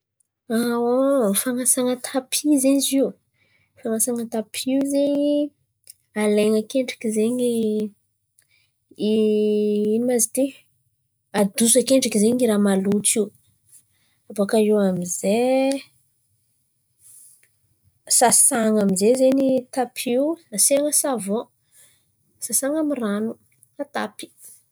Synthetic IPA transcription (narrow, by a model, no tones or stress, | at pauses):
awofaŋasaŋət̪ʰapʰizeɲziw | faŋasaŋət̪apʰiwzeɲi | aleŋakeɳɖ͡ʐḁkizeɲi | i | inimazit̪e | ad̪usakeɳɖ͡ʐakizeɲiɾamalut͡siw | abakaiwamize | sasaŋamizezeɲit̪apʰiwnaseŋəsavo | sasaŋamiranu | at̪a̰pi̥